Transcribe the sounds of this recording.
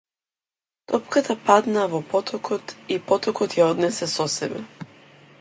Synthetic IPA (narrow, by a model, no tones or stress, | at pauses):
t̪ɔpkat̪ʰapad̪navɔpɔt̪ʰɔkʰɔt̪ipɔt̪ɔkɔt̪jaɔd̪nɛsɛsɔsɛbɛ̰